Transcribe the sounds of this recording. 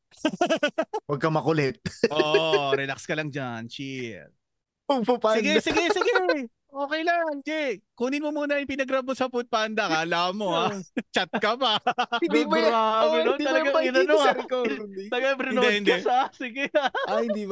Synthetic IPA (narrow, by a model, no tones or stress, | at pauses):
wɐɡ̚kɐmɐkʊlɛt̪̚ʔoɾɛlakskɐlɐŋd͡ʒant͡ʃi | ɐŋpʊpasɡɛsɪɡɛsɪɡɛ | ʔoːkɛjlaŋt͡ʃɛkuːnɪnmomuːnɐjʊŋpɪnɐɡɾɐbosɐpʊt̪̚pand̪ɐkalaːmohat͡ʃɐt̪̚kɐpaiaɐnoɐlɐɡaŋɪnɐnoɾkoɐlɐɡapɾɪnod̪ɛɪoɛsasɪɡɛaaɪnd̪i